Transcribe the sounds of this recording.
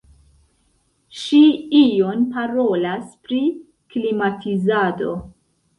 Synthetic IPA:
ʃiijo̞npaɾo̞laspɾi | klimatʰizado̞

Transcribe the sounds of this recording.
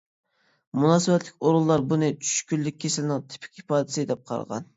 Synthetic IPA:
munɑːsɨwɛt̪lɪkʲoɾulˠːɑɾbunɨt͡ʃʰy̥ʃkʲylːɪk̚ʲʰːesɪlɪnɪŋt̪ʰɪ̥pʰɪ̥kʲipɑːd̪ɪsɨd̪ɛp̚qʰɑ̰ɾʁɑ̰n

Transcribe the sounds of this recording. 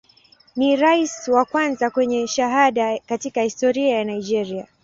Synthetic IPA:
niɾaiswakwanzakwɛɲɛʃaɦaɗakatikahistɔɾiajanaid͡ʒɛɾia

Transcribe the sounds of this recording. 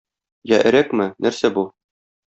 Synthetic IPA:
jæʔɘ̆ɾækmɘnæɾsæbu

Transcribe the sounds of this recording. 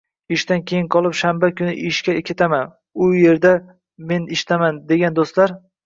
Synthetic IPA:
ɪʃt̪ankʲʰe̞jɪnqʰɒlˠɪpʃambakʰʲʊnɪʔɪʃkʲakʲet̪ʰaman | ʊje̞ɾd̪a | me̞nɪʃɪ̥t̪ʰamand̪e̞ɡʲand̪ost̪laɾ

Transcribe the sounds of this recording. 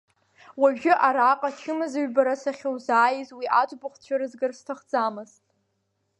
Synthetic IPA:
waɥʒᶣɪʔaɾaːqʼat͡ʃʰɨmɨzaɥbaɾasaχʲowzaːjizwiʔatʷʼbaχʷt͡ɕʷʰaɾɨzɡɨrstʰaχd͡zamɨztʼ

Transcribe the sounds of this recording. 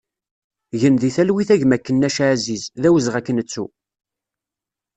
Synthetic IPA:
ʝənðiθælwiθæʝmækːənːæʃʕzizðæwəzʁækːənət͡sːṵ

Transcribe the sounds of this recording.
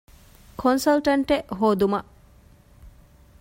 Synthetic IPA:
kʰonsɐlʈɐɳʈeʔɦoːd̪umɐʔ

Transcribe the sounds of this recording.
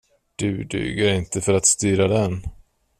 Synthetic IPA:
d̪̥ɵːd̪y̰ːɡəɾɪnt̪əfœɾat̪st̪yːɾad̪ɛn

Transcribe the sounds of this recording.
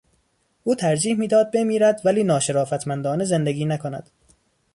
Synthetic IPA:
ʔuːt̪ʰæɾd͡ʒiːhmiːd̪ɒːd̪̚be̞miːɾæd̪væliːnɒːʃeɾɒːfæt̪ʰmænd̪ɒːneze̞nd̪e̞ɡʲiːnækʰonæ̰d̪̥

